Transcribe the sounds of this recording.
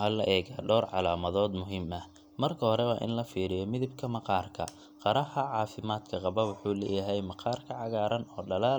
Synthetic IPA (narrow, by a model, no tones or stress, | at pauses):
ɐlɐʔɛːɣaːɖɔːrʕɑlaːmɐðɔːd̪mʊɦiːmɐh | mɐrkʰɐhɔɾɛwɑːʔɪ̰nlɐfiːɾɪjɔmɪðɪbkʰɐmɐqɑːrkʰɐ̰ | qɑɾɐhɐʕɑːfɪmaːd̪kʰɐqɑβɐwʊħuːlɛ̰ːjɐɦɛjmɑqɑːrkʰɐʕɑɣaːɾɐnɔːɖɐlaː